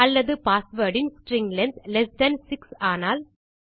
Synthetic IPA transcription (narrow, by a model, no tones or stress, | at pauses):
ɐlːɐðɯpaːsʋɐːɖɪnsʈɾɪŋɡlɐnd̪lɛsɖɐnsɪksaːnaːl